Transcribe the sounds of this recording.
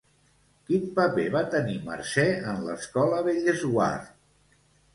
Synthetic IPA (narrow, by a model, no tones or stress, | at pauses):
kinpəpeβat̪ənimə̰ɾsɛənlə̰skɔləβeʎəzwa̰rt̪